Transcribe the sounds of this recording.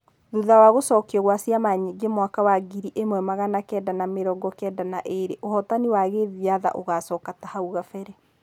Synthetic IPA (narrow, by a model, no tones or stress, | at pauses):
ðuðawaɣosɔːkiɔɣwasiamaɲeɡemwakawaɡiɾiʔemwɛmaɣanakɛːdanameɾɔːɡɔkɛdanaʔeɾeʔohɔtaniwaɣeðiaða̰ʔoɣasɔkatahauɣafɛɾɛ